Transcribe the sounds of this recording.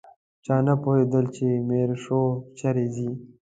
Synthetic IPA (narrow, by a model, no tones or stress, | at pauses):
t͡ʃaːnapoɦed̪əlt͡ʃemeːɾʂot͡ʃʰɐɾezi